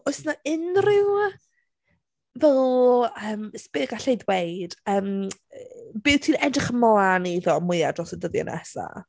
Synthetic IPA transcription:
ɔsnaʔɪnrɪw | vɛlˠəːmspɪɡaɬejdwejd̥əːm | bɪwtʰiːnɛdrɪχəmɔaniðɔmʊjadrɔsədəðjɔ̰nʔɛ̰sa̰

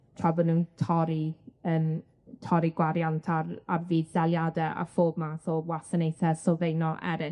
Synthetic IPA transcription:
tʰrɔbɔnuːntʰɔɾiən | tʰɔɾiɡwaɾjantʰararviːðd̥alˠjadɛʔa̰foːb̚maθowasənejθɛsɔvejnɔʔɛ̰ɾɪ

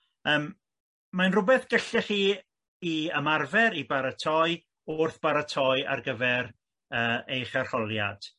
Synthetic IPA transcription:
əːm | manrʊbɛθɡ̥əɬɛχiː | iəmarvɛɾibaɾatʰɔɨ | ʊrθb̥aɾatʰɔɨa̰rɡəvɛɾ | əːejχar̥χɔlˠja̰d̥

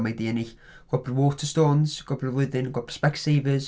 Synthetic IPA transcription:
majdiɛnɪɬ | ɡ̥ɔbrwoːtʰəstoːnz̥ɡ̥ɔbrəlˠʊðɪnɡwɔbr̥spɛksejvəz

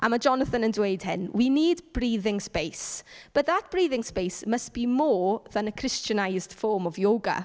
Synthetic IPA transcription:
ʔamad͡ʒɔnəθənəndwejd̥hɪ̰nwiniːdb̥riːðɪŋspejsb̥ətðatb̥riːðɪŋspejsməsb̥imɔːðanəkʰrɪstənajzd̥fɔːmɔvjoːɡa̰

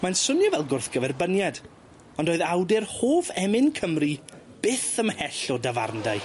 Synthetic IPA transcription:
mansʊnjɔvɛlˠɡʊrθɡ̥əvɛrbənjad | ɔndoːɨðawdɪrhoːvɛmɪnkʰəmri | b̥ɪθəmhɛɬɔdava̰rndaj

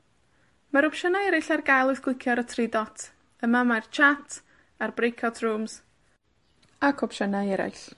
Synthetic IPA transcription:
maɾɔpʃənaɛɾɪɬarɡajlˠʊθɡ̥wʊɨkʰjɔɾətʰridɔtʰ | əmamart͡ʃʰatʰ | arbrejkʰɔtʰruːmz | akʰɔpʃənajɛɾa̰ɬ

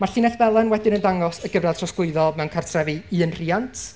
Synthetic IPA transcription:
marɬiːnɛθbɛlˠɛnwɛdɪnəndaŋɔsəɡəvatʰrɔsɡ̥ʊɨðɔlˠmɛwnkʰartʰrɛviɨːənr̥iantʰ

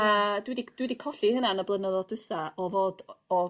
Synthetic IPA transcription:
ədwidid̥widikʰɔɬihənanəblˠənəðɔd̥ʊsaɔvoːd̥ɔ

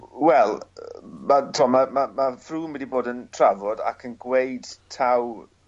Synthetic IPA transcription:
wɛlˠmatʰɔmamamafruːnwɛdiboːdəntʰravɔda̰kʰənɡwejd̥tʰaw

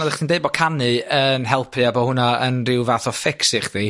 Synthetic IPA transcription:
nɔdɛχd̥iːndeɨbɔkʰanɨənɦɛlˠpʰɨabɔhʊnaənrɪwvaθɔfɪksɪχði

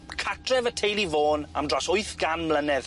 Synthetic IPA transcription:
kʰatʰrɛvətʰejlˠivoːna̰mdrasʊɨθɡ̥anmlənɛð

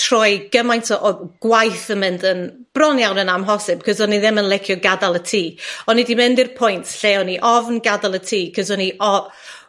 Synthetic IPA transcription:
tʰr̥ɔjɡ̥əmajntʰɔʔɔɡ̥wajθəmɨndənb̥rɔnjawnənamɦɔsɪb̥̚kʰəzɔniðɪmənlˠɛkʰjɔɡadalˠətʰiːɔnidimɨndirpʰʊjntʰɬeɔniʔɔvnɡadalˠətʰiːkʰəzɔniʔɔ

